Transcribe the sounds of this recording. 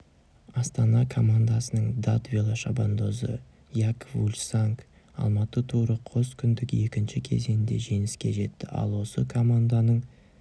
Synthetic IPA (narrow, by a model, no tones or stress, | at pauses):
ɑst̪ɑnɑkʰo̞mand̪asənəɴd̪at̪vʲelˠaʃaband̪o̞zə̰ | jakvulʲsaŋk | ɑ̰lˠmɑt̪ət̪ʰuɾəqʰo̞skʲʰʏnd̪ɪkje̞kʲɪnʃɪkʲʰe̞ze̞nɪnd̪e̞̰ʒe̞nɪskʲe̞̰ʒe̞t̪ːɪʔɑ̰lˠwo̞səkʰo̞mand̪anəɴ